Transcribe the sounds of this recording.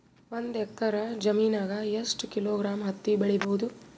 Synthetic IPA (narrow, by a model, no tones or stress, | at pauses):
ʋond̪ɛk̚t̪ːɐɾɐd͡ʒɐmiːnaːɡɐjesʈkiloːɡɾaːmɦɐt̪ːibɐɭibɐɦud̪u